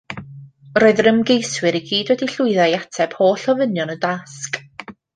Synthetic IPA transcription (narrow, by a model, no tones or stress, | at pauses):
roːɨðrəmɡejswɨɾiɡiːdwɛdiɬʊɨðajatʰɛb̥hoːɬɔvənjɔnədask